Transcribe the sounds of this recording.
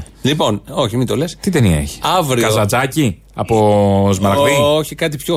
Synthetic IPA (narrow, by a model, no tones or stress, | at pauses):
lipo̞noçimit̪olest̪it̪eniɐ̰eçi̥ɐvɾikɐzɐt͡sɐci | ɐpo̞zmɐɾkkioçikɐt̪ipço